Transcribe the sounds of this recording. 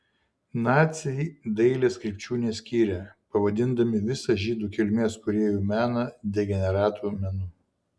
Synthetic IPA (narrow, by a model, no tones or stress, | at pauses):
nɑːt̪sʲɛɪd̪ɐɪlʲeːskɾʲɛɪpʲt͡ʃʲuːnʲeːsʲkʲiːɾʲɛpɐʋɐd̪ʲɪnd̪ɐmʲɪʋʲɪsɐʒʲiːd̪uːkʲɪlʲmʲeːskʊɾʲeːjuːmʲæːnɐd̪ʲɛɡʲɛnʲɛɾɑːt̪uːmʲɛnʊ